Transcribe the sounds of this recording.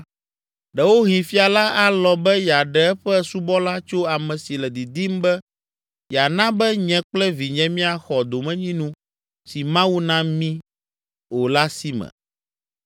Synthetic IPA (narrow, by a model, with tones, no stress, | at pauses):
ɖɛ˨wo˦ɦĩ˨fi˦a˨la˦a˦lɔ˨bɛ˦ja˨ɖɛ˨˦ɛ˦ɸɛ˦su˦bɔ˦la˦t͡ʃo˦a˨mɛ̃˨si˨lɛ˨d̪i˨d̪i˦m˦bɛ˦ | ja˨nã˦bɛ˦ɲɛ̃˨˦k͡plɛ˦vi˨ɲɛ̃˦mĩ˦a˨xɔ˨d̪o˨mɛ̃˦ɲĩ˦nũ˦ | si˨mã˦wu˦nã˦mĩ˦ | wo˨la˦si˦mɛ̰̃˨